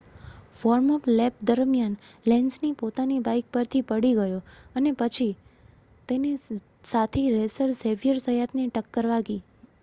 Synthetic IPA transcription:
fɔɾmɔplɛp̚d̪əɾmjanlɛ̃nd͡ʒnipot̪anibajk̚pəɾt̪ʰipəɽiɡəjoənepət͡ʃʰi | t̪eni | sat̪ʰiɾesəɾseʋijəɾsəjat̪niʈəkːəɾʋaɡi

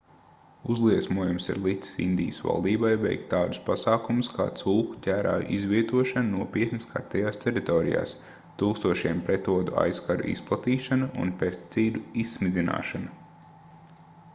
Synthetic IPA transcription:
uzlˠiɛsmuɔjumsḭɾlˠit̪si̥sḭnd̪ijəsva̰lˠd̪iːbajvɛ̰jkt̪ːaːd̪u̥spasaːkumuskʰa̰ːt̪sulˠku̥cʲæːɾa̰ːjʔizʋiɛt̪uɔʃannuɔpiɛt̪niskʰa̰ɾt̪ɛjaːst̪ɛɾit̪ɔɾḭja̰ːs | t̪uːkst̪uɔʃiɛmpɾɛt̪ɔːd̪ua̰jskaɾṵʔḭsplˠat̪iːʃanṵnpest̪i̥t̪siːd̪uisːmid̪zina̰ːʃana

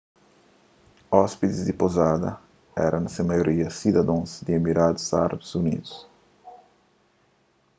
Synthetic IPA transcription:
ɔspid̪izd̪ipozad̪ɐ̰ | ɛ̰ɾʔɐ̃nɐsẽmajoɾiɐsid̪ɐd̪õsd̪iemiɾad̪u̥za̰ɾɐbuzunḭd̪ʊs

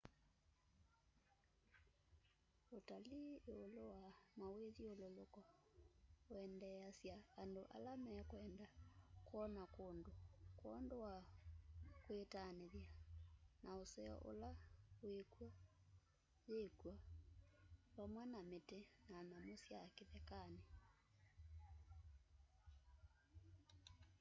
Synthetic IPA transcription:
otalieolowamaweðiololokɔ | oɛndɛasjaːndoʔa̰lamɛkwɛndakɔnakoːndokwɔndowa | kwetaneðjanaosɛɔ̰ʔo̰lawekwa | jekwa | βamwɛnametenanamosjakeðɛkane

